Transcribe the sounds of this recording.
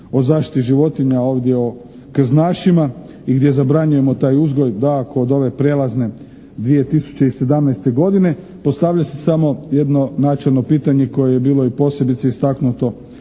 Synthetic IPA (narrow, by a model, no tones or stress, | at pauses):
o̞zaːʃt̪i̥t̪iʒiʋo̞t̪iɲao̞ːʋd̪ʲjeo | kr̩znaːʃima | iɡd̪je̞zabɾaɲuje̞mo̞t̪aːjuzɡo̞jd̪aːkoːd̪o̞ʋe̞pɾe̞lazne̞ | d̪ʋije̞t̪isu̥t͡ɕe̞ise̞d̪amnajst̪e̞ɡo̞d̪ine | post̪aʋʎase̥samo̞jed̪no̞nat͡ʃelno̞piːt̪aɲe̞ko̞jejebiːlo̞ipo̞sje̞bit̪seist̪aknut̪o̞